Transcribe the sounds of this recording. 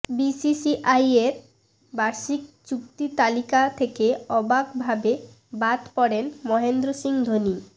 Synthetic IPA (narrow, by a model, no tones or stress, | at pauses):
bisisiʔajeɾ | baɾʃik̚t͡ɕuk̚t̪it̪alikat̪ʰekeɔbaɡbʱabe | bad̪pɔɽenmɔɦend̪ɾosiŋd̪ʱoni